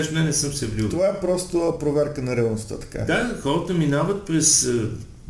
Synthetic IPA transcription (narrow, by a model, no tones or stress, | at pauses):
ʃnɛnɛsɤmsɛblʲit̪ovaɛpɾɔst̪opɾovɛɾkənɐɾɛəlˠnost̪ə̰t̪ɐ̥ka̰d̪axɔɾət̪əminavət̪̚pɾɛs